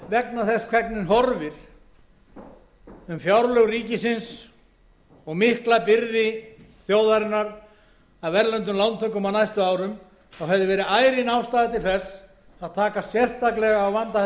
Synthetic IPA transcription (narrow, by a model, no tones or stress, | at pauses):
vɛk̚naθɛskʰvɛknɪnɦɔɾvɪɾ̥ | ʏmfjawɾlœɣriːcɪsɪns | ɔɣmɪhklapɪɾðɪ | θjoːwðaɾɪnːaɾ | aðvɛɾlœnt̪ʏmlawnt̪ʰœkːɔmanajst̪ʏaːwɾʏm | ɔwɦɛvðɪvɛːɾɪðaːjɾɪnaːwst̪aːðɪt̪ɪlθɛs | θaðt̪ʰaːkasjɛr̥st̪aklɛɣaːwvant̪a